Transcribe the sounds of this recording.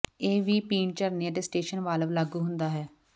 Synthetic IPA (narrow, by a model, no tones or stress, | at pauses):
eːʋiːpiːɳt͡ʃəɾniãːd̪esʈeːʃənʋaːləʋlaːɡuːɦʊnd̪aːɦɛː